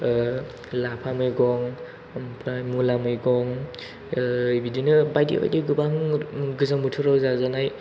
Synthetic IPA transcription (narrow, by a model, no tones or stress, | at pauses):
lapʰamɯjɡɔŋ | mpʰɾajmulamɯjɡɔŋ | bidinɯbajdḭba̰jdiɡɯbaŋɡɯzambutʰuɾawzazanaj